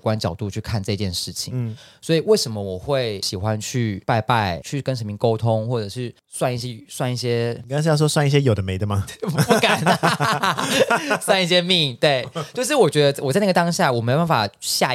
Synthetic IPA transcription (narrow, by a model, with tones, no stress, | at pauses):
kwa˦˥nt͡ɕjɑ˨˩ʊt̪u˥˧t͡ɕʰy˥˧kʰa˥˧nʈ͡ʂɤ˥˧t͡ɕjɛ˥˧nʂɻ̩˥˩t͡ɕʰḭ˨˩˦swɔ˧˥i˨˩we˥˩ɪʂə˧˥nmə˦wɔ˨˩xwe˥˩ɪɕi˨˩xwa˦nt͡ɕʰy˥˩pa˥˧ɪpa˥˧ɪt͡ɕʰy˥˩kə˦nʂ̬ə˧˥mi˥˩ŋko˥ʊt̪ʰʊ˦ŋxwɔ˥˩ʈ͡ʂɤ˨˩ʂɻ̩˥˩ | swa˥˧ni˥˩ɕ̬jɛ˥swa˥˧ni˥˩ɕjɛ˥˨ka˥ʂ̩˧jʂ̬ɔ˥swa˥˧ni˥˩ɕ̬jɛ˥jo˨˩ʊd̪ə˦me˧˥ɪd̪ə˧˩ma˨pu˧˩ka˨˩n | swa˥˧ni˥˩ɕjɛ˥mi˥˧t̪we˥˩ɪt͡ɕjo˥˧ʊʂ̬ɻ̩˥˩wɔ˨˩t͡ɕɥɛ˧˥d̪ə˧˥˩wɔ˨˩t͡sa˥˩ɪn˥ɡə˩t̪ɑ˥ŋɕja˥˩wɔ˨˩me˧˥˧o˧ba˥˩fa˨˩ɕja˥˧